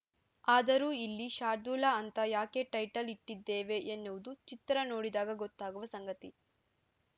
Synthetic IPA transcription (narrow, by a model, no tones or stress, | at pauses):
aːd̪ɐɾuːilːiʃaːɾd̪uːlɐɐnt̪ɐjaːke̞ːʈɐjʈɐliʈːid̪ːeːʋe̞ʔenːuʋud̪ut͡ʃit̪ɾɐnoːɽid̪aːɡɐɡot̪ːaːɡuʋɐsɐŋɡɐt̪i